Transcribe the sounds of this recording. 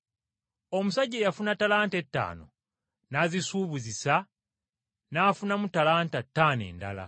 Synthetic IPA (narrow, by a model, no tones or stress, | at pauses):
o̞musaɟːeːjafunatalaːnte̞tːa̰ːno̞̰ | nazisuːβuzisa | naːfunamutalaːntatːaːne̞̰ːnda̰la̰